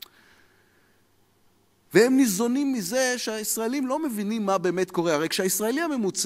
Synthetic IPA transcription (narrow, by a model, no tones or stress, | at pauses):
vehemnizo̞nimːize̞ʃeaisʁaelimlo̞me̞vinimːabe̞ːmetko̞ʁeaʁejkʃeaisʁaelihame̞mut͡s